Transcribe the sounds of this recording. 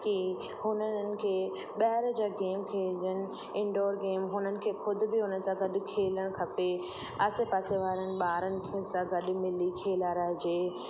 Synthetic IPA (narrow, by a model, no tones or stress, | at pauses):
ki | hʊnənɪ̆kʰeː | ɓɐɦɪɾd͡ʑaːɡeːmkʰeːd͡ʑənɪ̆ | ɪ̃ɳɖoːɾɡeːmɦʊnənɪ̆kʰeːxʊd̪ʱʊ̆bɪɦʊnənɪ̆sãɡɐɗʊkʰeːləɽ̃kʰɐpe | aːsepaːseʋaːɾənɪ̆ɓaːɾənɪ̆kʰsãɡɐɗʊ̆mɪlikʰeːlaɾɐɦɪd͡ʑeː